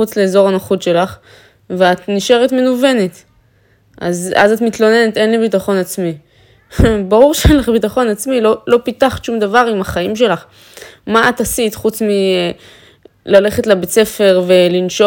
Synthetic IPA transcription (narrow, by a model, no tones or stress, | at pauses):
ut͡sle̞ːzo̞ʁanaχutʃe̞laχ | veatniʃe̞ʁetmenuve̞net̪ | ʔa̰za̰zatmit̪lo̞ne̞net̪e̞nlibitaχo̞nat͡smi | baʁuʁʃeenlaχbitaχo̞nat͡smilo̞lo̞pitaχtʃumd̪avaʁimaχaimʃe̞laχ | maatasit̪χut͡smi | lale̞χe̞tlabet͡se̞fe̞ʁve̞linʃo